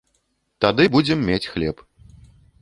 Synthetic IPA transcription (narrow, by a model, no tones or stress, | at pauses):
t̪ad̪ɨbud͡zʲɛmːʲet͡sʲxlʲɛp